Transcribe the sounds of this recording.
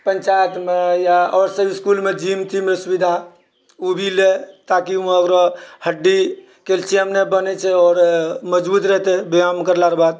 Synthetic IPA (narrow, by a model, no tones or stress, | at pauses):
pənt͡ʃajt̪mejaɔːɾsəbiskulmed͡ʒimt̪ʰimeesubid̪ʱa | ubʱilet̪akiũəkɾɔhəɖːi | kelt͡ʃʰiəmnebənɛt͡ʃʰɛɔːɾməd͡ʒbut̪ɾəɦt̪ɛbeamkəɾlaɾbad̪̚